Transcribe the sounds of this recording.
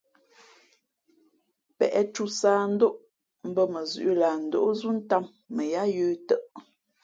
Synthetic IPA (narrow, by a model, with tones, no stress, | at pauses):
pɛ̰˨ʔɛ˦tu˦saː˦n̩˦do˦ʔ | m̩˦bə˦mə˨zʉ̰˨ʔla˨n̩˨do̰˦ʔo˦zu˦n̩˦ta˦˨mːə˨ja˦jəː˦tə˦ʔ